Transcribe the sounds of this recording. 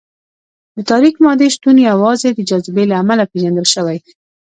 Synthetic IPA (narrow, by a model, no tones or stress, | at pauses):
d̪ət̪ɑɾikmɑd̪eʃt̪uneawɑzed̪əd͡ʒazbelaːmalapeʒand̪əlʃəwaj